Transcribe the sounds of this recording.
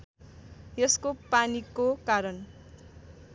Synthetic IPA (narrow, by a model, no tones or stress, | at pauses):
jʌskopanikokaɾʌn